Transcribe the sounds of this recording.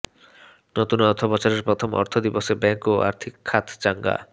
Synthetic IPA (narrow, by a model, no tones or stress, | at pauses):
not̪unɔɾt̪ʰopɔt͡ɕaɾeɾpɾot̪ʰomʔɔ̰ɾt̪ʰod̪iboʃebɛŋkoʔa̰ɾt̪ʰikʰːat̪ʰt͡ɕaŋɡa̰